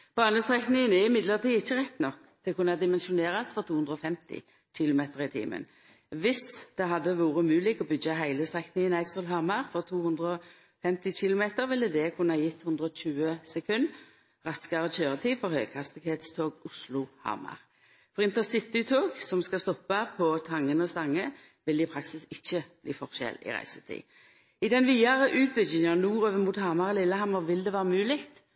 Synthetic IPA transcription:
b̥ɑːnəst̪ʁɛknɪŋənɛʁɪmɪd̪ləʁt̪iːɪçːəʁɛt̪ːnɔkː | d̪̥ɛkʉnːɑd̪ɪmɛnʃʊneːʁɑsfɔʁt̪uːʉnd̪ʁɔfɛmt̪ɪ̰ | çɪlʊmeːt̪əʁɪt̪ʰḭːmə̰n | ʋɪsd̪̥ɛɦɑd̪ːəʋuːʁəmʉːlɪɡɔbʏɡɑɦæɪləst̪ʁɛknɪŋənæɪsɔlɦɑʁmɑʁfɔʁt̪ʰuːhʉnd̪ʁəɔ | fɛmt̪ɪçɪlʊmeːt̪əʁʋɪlːəd̪ɛkʰʉnːɑjɪt̪ːhʉnd̪ʁəɔɕʉːəsɛkʰʉn | ʁɑskɑʁət͡ʃøːʁət̪ʰiːfɔʁhœʏkʰɑst̪ɪɡheːt̪st̪ʰoːɡʊslʊhɑ̰ʁmɑ̰ʁ | fɔʁɪnt̪əʁsɪt̪ɪt̪ʰoːɡsɔmskɑst̪ɔpːɑpʰɔt̪ʰɑŋːənəɔst̪ɑŋːə | ʋɪlɪpʰʁɑksɪsɪçːəb̥lḭːfɔʁʃɛ̰lɪ̰ʁæ̰ɪsət̪ʰḭː | ɪd̪ɛnʋiːɑʁəʔʉːt̪̚bəd͡ʒɪnɑnuːʁøːʋəmuːt̪hɑʁmɑʁəlɪlːəhɑmɑʁʋɪld̪ɛʋæːʁəmʉːlɪkt̪

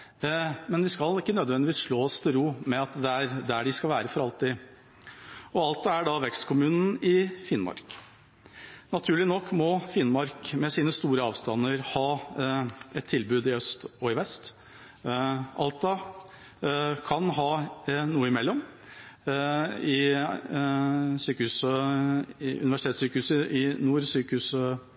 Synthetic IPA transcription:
mɛnd̪ɪskɑlɪkːənœd̪ʋɛnd̪ɪʋiːsʂɭoːst̪ʰɪlɾuːmɛɑt̪d̪ɛæɾd̪ɛæɖɪskɑlʋæːɾəfɔɾɑlt̪ɪ | ɔɑlt̪ɑæɖɑʋɛkst̪kʰʊmʉːnn̩ɪfɪnmɑ̰ɾk | nɑt̪ʰʉːɭɪnɔkːmɔfɪnmɑɾkmɛsiːnəst̪uːɾəɑːʋst̪ɑnːəɾhɑː | ɛt̪ʰːɪlbʉːd̪ɪœst̪ɔɪʋɛst̪ | ʔɑ̰lt̪ɑ | kʰɑnɦɑːnuːəɪmɛlːɔm | ɪ | syːkəhʉːsə | ɪʔʉ̰nɪʋæʂɪ̥t̪ʰeːt̪syːkəhʉːsəɪnuːɾsyːkəhʉːsə

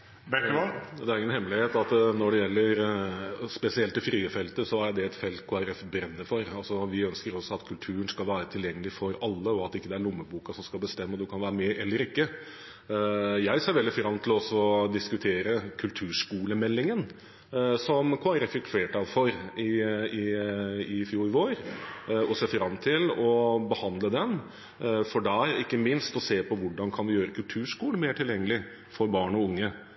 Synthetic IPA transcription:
bɛd̪ɛæɾɪŋːənhɛmːlɪheːt̪ɑt̪nɔɖɛjɛlːəɾ | spɛsɪɛlt̪ːɪfɾyːəfɛlt̪əsɔæɖ̪ɛɛt̪fɛlt̪kʰoːæɾɛfbɾɛnːəɾfɔɾɑlsɔʋɪœnskəɾɔsɑt̪kʰʉlt̪ʰʉːɾənskɑlʋæːɾət̪ʰɪljɛŋːəlɪfɔɾɑlːəɔɑt̪ːɪkːəd̪ɛæɭʊmːəbuːkɑsɔmskɑlˠbəst̪ɛmːəɔd̪ʉkʰɑnʋæːɾəmɛʔɛlːəɾɪkːə | jæɪseːɾʋɛld̪ɪfɾɑmt̪ʰɪlɔsːɔɔd̪ɪskʉt̪ʰeːɾəkʰʉlt̪ʰʉːʂkuːləmɛlːɪŋən | sɔmkʰːɾɛfɪt̪ʰeːʈɑʋfɔɾɪɪɪfjuːʋoːɾɔseːfɾɑmːt̪ʰɪlɔbəhɑnd̪ləd̪ɛn | fɔɖæɾɪkːəmɪnst̪ɔseːpʰɔʋʊɖɑnkʰɑnʋɪjøːɾəkʰʉlt̪ʰʉːʂkuːlənmeːʈʰɪljɛŋːəlɪ | fɔɾbɑːɳɔʊŋːə

